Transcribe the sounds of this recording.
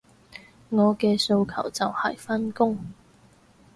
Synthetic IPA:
ŋɔː˨˧kɛː˧so˧wkʰɐ̰˨˩wt͡sɐ˨whɐ̰˨˩jfa˥nkʊ˥ŋ

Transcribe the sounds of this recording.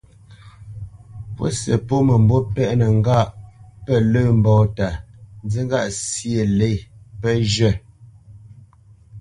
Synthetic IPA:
pwo̰˦sə˨po˦mə˨m̩˨bo˦pɛ˦ʔnə˨ŋ˦ɡa˦˨ʔpə˦˨lə˦˨m̩˨bɔː˨ta˨n˦d͡zi˦ŋ˦ɡa˦˨ʔsje˨le˦˨pə˦ʒə˦˨

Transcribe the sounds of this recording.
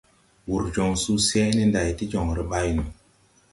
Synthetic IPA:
wu˨ɾd͡ʒo˨ŋsu˦sɛ˦ni˦nda˨jti˦d͡ʒo˨ŋɾi˨ɓa˦jno˨

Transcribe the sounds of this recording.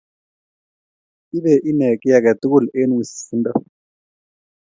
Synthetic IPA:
i˦βɛ˨ʔi˦nɛ˨kʼi˦ja˨ka˨t̪u˦ku˦˨le˦nu˦˨si̥˨si˨˦ndɔ˦˨

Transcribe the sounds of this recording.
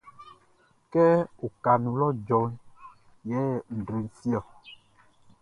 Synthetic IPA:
kɛ˦wo˨ka˨nũ˨lɔ˦d͡ʒɔ˨˦ | jɛ˨˦ŋ̩˨ɖɾi˨n̩˨fi˦ɔ˨

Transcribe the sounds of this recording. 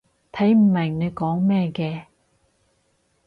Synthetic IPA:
t̪ʰɐ˨˥jm̩˨˩mɪ˨˩ŋne˨˧jkɔː˨˥ŋmɛː˥kɛː˧

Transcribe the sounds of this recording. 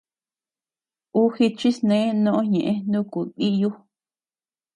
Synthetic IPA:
u˦hi˧t͡ʃi˦snẽ˨˦nõ˦ʔõ˦ɲẽ˨ʔẽ˦nũ˦ku˨ki˦ju˦

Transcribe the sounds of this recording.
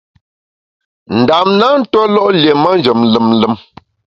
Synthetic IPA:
n̩˨da˨mna˦n̩˦tɔ˦lɔ˦ʔlje˨ma˦n˦d͡ʒə˨mlə˨mlə˦m

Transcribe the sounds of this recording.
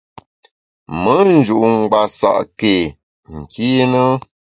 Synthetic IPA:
mə˦n̩˨d͡ʒu˨ʔŋ̩˨ɡ͡ba˨sa̰˨ʔke˨ | ŋ̩˨kʰi˦nə˦

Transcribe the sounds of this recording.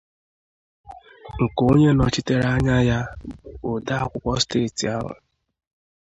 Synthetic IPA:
ŋ̩˨ko˦ɲe˦nɔ˨t͡ʃɪ˦te˦ɾa˦ɲa˦ja˦o˨da˦a˦kʷʊ˦kʷɔ˦steː˦˨ti˨a˦ɦa̰˨

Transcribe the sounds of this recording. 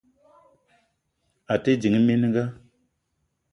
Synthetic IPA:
a˨te˦d͡ʒi˨ŋi˦mi˦n˦ŋɡa˦

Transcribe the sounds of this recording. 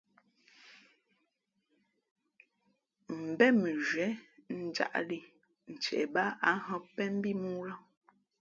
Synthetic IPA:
m̩˨bɛ˦mə˨ʒwɛ˨˦n̩˨d͡ʒa̰˦˨ʔli˨ | n̩˨t͡ʃɛ̰˨ʔba˦a˦ɦɔ̃˦pɛ˦m̩˦bi˦mu˦lɔ˦

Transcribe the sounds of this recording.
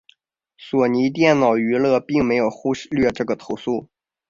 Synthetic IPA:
swɔ˨˩ni˧˥t̪̬jɛ˥˩nnɑ˨˩ʊy˧˥lɤ˥˧pi˥˩ŋme˧˥ɪjo˨˩ʊxu˥ʂlɥɛ˥˧ʈ͡ʂɤ˥˩ɡə˩t̪ʰo˧˥ʊsu˥˩

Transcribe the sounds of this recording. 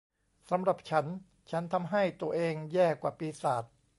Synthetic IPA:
sa˩˦mɾa˨˩p̚t͡ɕʰa˦˥n | t͡ɕʰa˦˥nt̪ʰa˧mɦa˥˩jt̪u˧ɐʔeː˧ŋjɛː˥˩kwaː˨˩piː˧saː˨˩t̪̚

